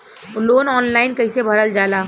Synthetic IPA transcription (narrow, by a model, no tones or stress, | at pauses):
loːnɔːnlaːɪnkɐɪsebʱɐɾəld͡ʒaːlaː